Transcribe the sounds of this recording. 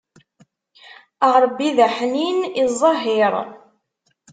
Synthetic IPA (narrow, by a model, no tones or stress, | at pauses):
əʁɾˤbːiðæħninizˤːɑɦiɾˤ